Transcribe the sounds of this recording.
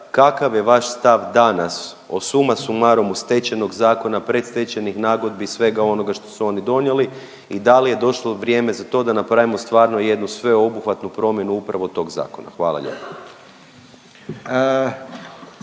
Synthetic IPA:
kakaʋje̞ʋaʃst̪aʋd̪anas | o̞̰sumasumaɾo̞must̪e̞t͡ɕe̞no̞ɡzaːko̞napɾe̞t̪st̪e̞t͡ɕenixnaːɡod̪̚bisʋe̞ɡao̞no̞ɡaʃt̪o̞̥suo̞nid̪o̞nje̞li | id̪alije̞d̪o̞ʃlˠo̞ʋɾjeːme̞zat̪o̞ːd̪anapɾaʋimo̞st̪ʋaːɾno̞je̞d̪nusʋe̞o̞buxʋat̪nupɾo̞mje̞nuupɾaʋo̞t̪o̞ːɡza̰ːko̞na̰xʋaːlˠa̰ʎḛpḁ

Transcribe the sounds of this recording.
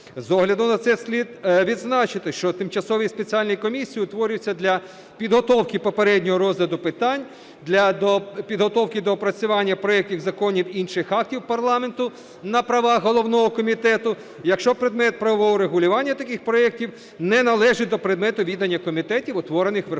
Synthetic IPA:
zɔɦlʲɐd̪ʊnɐt̪sɛsʲlʲid̪ʋʲid̪znɑt͡ʃɪt̪ɪʃt͡ʃɔt̪ɪmt͡ʃɐsɔʋʲispet͡sʲialʲnijikɔmʲisʲːijiʊt̪ʋɔɾʲɪʊt͡sʲːɐd̪lʲɐ | pʲid̪ɦɔt̪ɔwkɪpɔpeɾɛdʲnʲɔɦɔɾɔzlʲɐd̪ʊpɪt̪ɑnʲ | d̪lʲɐd̪ɔpʲid̪ɦɔt̪ɔwkɪd̪ɔpɾɐt͡sʲʊʋɑnʲːɐpɾɔɛk̚tʲiwzɐkɔnʲiwinʃɪxɑk̚tʲiwpɐrlˠɑment̪ʊ | nɐpɾɐʋɑɦɔlˠɔwnɔɦɔkɔmʲit̪ɛt̪ʊ | jɐkʃt͡ʃɔpɾed̪mɛt̪̚pɾɐʋɔʋɔɦɔɾeɦʊlʲʊʋɑnʲːɐt̪ɐkɪxpɾɔɛk̚tʲiw | nɛnɐlˠɛʒɪd̪ɔpɾed̪mɛt̪ʊʋʲid̪ɐnʲːɐkɔmʲit̪ɛtʲiwʊt̪ʋɔɾenɪxʋ

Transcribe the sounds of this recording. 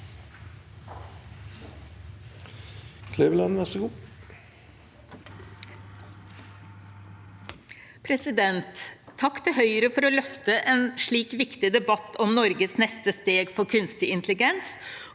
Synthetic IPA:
kʰlebəlɑnʋæsəɡuː | pʰɾɛsɪd̪ɛnt̪ʰːɑkːt̪ʰɛɦœʏɾəfɔɾoːlœft̪əʔeːnʂɭiːkʋɪkt̪ɪd̪ɛbɑt̪ʰɔmnɔɾɡəsnɛst̪əst̪eːɡfɔɾkʰʉnst̪ɪɪnt̪lɪɡɛns

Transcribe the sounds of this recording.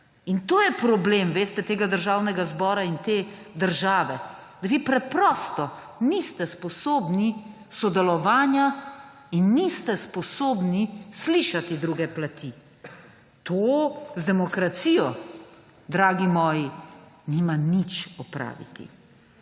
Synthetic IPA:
int̪oːjɛpɾɔblemʋeːst̪ɛt̪eːɡad̪əɾʒaːwnɛɡazbɔːɾaint̪eːd̪əɾʒaːʋɛ | d̪aʋipɾɛpɾɔːst̪ɔ | nist̪ɛspɔsoːbni | sɔd̪ɛlɔʋaːnja | inːist̪ɛspɔsoːbnisliʃat̪id̪ɾuɡɛplat̪ʰi | t̪ozd̪ɛmɔkɾat̪siːjɔ | d̪ɾaːɡimɔːjinimanit͡ʃɔpɾa̰ːʋḭt̪ḭ

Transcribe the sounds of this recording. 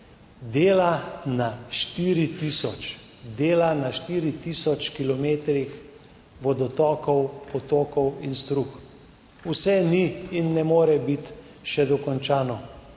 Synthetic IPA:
d̪eːlanaʃt̪iːɾit̪iːsɔt͡ʃ | d̪eːlanaʃt̪iːɾit̪iːsɔt͡ʃkilɔmeːt̪ɾix | ʋɔd̪ɔt̪ɔːkɔwpɔt̪oːkɔwinst̪ɾux | usɛniːnːɛmoːɾɛbit̪ | ʃɛd̪ɔkɔnt͡ʃaːnɔ

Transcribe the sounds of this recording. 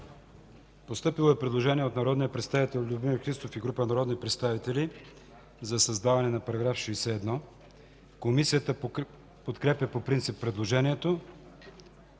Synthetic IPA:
post̪ɤpilˠoɛpɾɛd̪lˠoʒɛniɛot̪nɐɾɔd̪nijəpɾɛt̪st̪avit̪ɛlʲˠlʲubmimɾxɾist̪ofiɡɾupənɐɾɔd̪nipɾɛt̪st̪avit̪ɛli | zɐsɐzd̪avɐnɛnɐpɐɾɐɡɾafʃɛːsɛːd̪nɔ | komisijət̪ə | pot̪kɾɛpjəpopɾint̪sipːɾɛd̪lˠoʒɛniɛt̪o

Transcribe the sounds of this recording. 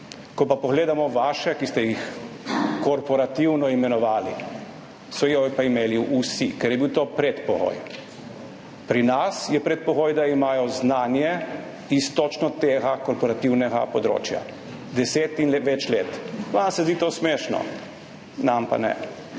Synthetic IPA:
kɔpapɔɣleːd̪amɔʋaʃɛkist̪ɛjix | kɔɾpɔɾat̪iwnɔimɛnɔʋaːli | sɔjɔipaimeːliusikɛɾjɛbiwt̪oːpɾɛt̪pɔɣo̰j | pɾinasjɛpɾɛt̪̚pɔɣoːjd̪aimaːjɔznaːnjɛ | ist̪ot͡ʃnɔt̪eːɣakɔɾpɔɾat̪iwnɛɡa̰pɔd̪ɾo̰ːt͡ʃja̰ | d̪ɛseːt̪inʋɛt͡ʃleːt̪ʋansɛzd̪iːt̪oːsmeːʃnɔ̰ | nampa̰nɛ̰

